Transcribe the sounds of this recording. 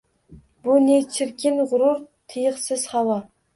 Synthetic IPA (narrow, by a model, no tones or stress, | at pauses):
bunet͡ʃʰɪɾkʲʰɪnʁʊɾʊɾt̪ʰɨjəχsɪz̥χɑwɑ